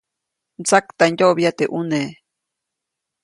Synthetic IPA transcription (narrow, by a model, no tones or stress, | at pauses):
nt͡sakt̪anjoβjat̪eʔune